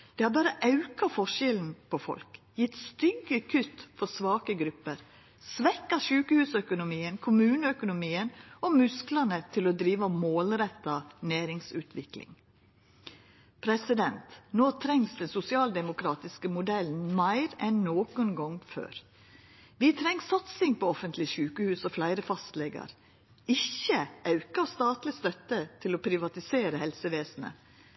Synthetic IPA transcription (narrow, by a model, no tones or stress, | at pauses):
d̪̥ɛːhɑːɾbɑːɾəʔɑʉkɑfɔʂɛln̩pʰɔfɔ̰lk | jɪt̪st̪ʏɡəkʰʉt̪fɔsʋɑːkəɡɾʉpːəɾ | sʋɛkːɑʃʉːkəhʉːsœkʊnʊmiːənkʰʊmʉːnəœkʊnʊmiːənɔmʉsklɑnət̪ʰɪlɔd̪ɾiːʋɑmoːlɾɛt̪ːɑnæːɾɪŋsʉːt̪ʰʋɪklɪ̰ŋ | pʰɾɛsɪd̪ɛnt̪noːt̪ʰɾɛŋsd̪ɛnsʊsɪɑːld̪ɛmʊkʰɾɑːt̪ɪskəmʊd̪ɛln̩mæɪɾɛnːoːkʊnɡɔŋfø̰ːɾ | ʋɪt̪ʰɾɛŋsɑt̪sɪŋpɔɔfənt̪lɪʃʉːkəhʉːsɔflæɪɾəfɑst̪lɛɡɑ̰ɾ | ɪçːəʔɑʉkɑst̪ɑːt̪lɪst̪œt̪ːət̪ʰɪlɔpʰɾɪʋɑt̪ɪseːɾəhɛlsəʋeːsn̩ə̰